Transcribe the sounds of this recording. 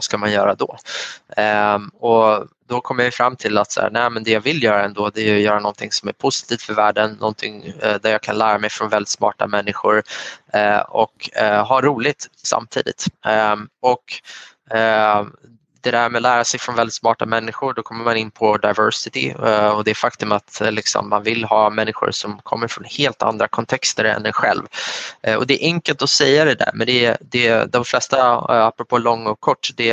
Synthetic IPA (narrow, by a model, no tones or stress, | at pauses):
askamanjœːɾad̪ɔ̰ | ɔd̪ɔkʰɔmːəɾvɪfɾamːt̪ʰɪlːat̪sa̰ːɾnæɪmɛnd̪ɛjɑːɡvɪlːjœːɾaɛnd̪oːd̪ɛːjɵjœːɾanɔnt̪ʰɪŋsɔmæ̰ɾpʰʊsɪ̥t̪ʰiːft̪fœɾvæːɖənːɔ̰nt̪ʰɪŋd̪æɾjɑːɡkʰanlæːɾamɛjfɾɔnvɛlɪt̪smɑ̰ːʈa̰mɛnːɪɧʊɾ | ɔkɦaɾuːlɪt̪sa̰mt̪ʰḭːd̪ɪ̰t̪ | ɔk | d̪̥ɛd̪æɾmɛlæːɾasɛjfɾɔnvɛld̪ɪt̪smɑːʈamɛnːɪɧʊɖɔkʰɔmːəɾmanɪnːpʰɔd̪aɪvœɾsɪt̪ɪ̰ɔd̪ɛːɾfak̚t̪ɵmat̪lɪksɔ̰mːanvɪlɦɑːmɛnːɪɧʊ̰ɾsɔmkʰɔ̰mːəɾfɾɔnheːlt̪a̰nd̪ɾakʰɔnt̪ʰɛkst̪əɾɛ̰nd̪ɛnɧɛ̰lv | ɔ̰d̪ɛːʔɛŋkəlt̪ɔsɛjːad̪ɛd̪æ̰ɾmɛnd̪ɛd̪ɛd̪ɔmflɛst̪aapːɾɔpʰoːlɔŋːɔkʰːɔʈːd̪ɛ